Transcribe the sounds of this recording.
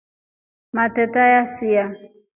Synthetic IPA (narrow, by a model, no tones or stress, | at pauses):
matɛtajasia